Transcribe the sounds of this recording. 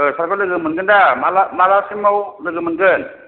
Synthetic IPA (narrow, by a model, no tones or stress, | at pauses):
saɾkʰɯlɯɡɯmɯnɡɯndamalamalasimawlɯɡɯmɯnɡɯn